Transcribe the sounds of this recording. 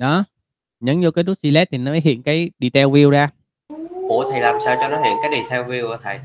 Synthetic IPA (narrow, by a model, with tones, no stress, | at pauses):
ɗɔ˨˦ | ɲə˨˦nzo˧kaː˨˦jtu˦˥t̚t͡ɕi˧lɛ˦˥t̪̚ʰi˨˩nɔ˨˦mə˨˦ɦḭ˧˨ənkaː˨˦jɗi˨˩t̪ʰɛ˧wvi˧əwzaː˧ | ʔo˧˩˨t̪ʰə˨˩jlaː˨˩msaː˧wt͡ɕɔ˧nɔ˨˦hḭ˧˨ənkaː˨˦jɗi˧˩t̪ʰɛ˧wvi˧əwʔə˧˨˦t̪ʰə˨˩j